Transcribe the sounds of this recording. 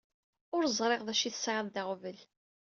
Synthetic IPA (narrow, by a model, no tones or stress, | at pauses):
ʊɾəzˤɾˤeʁðæʃiθə̥sʕaðˤd̪aʁvəl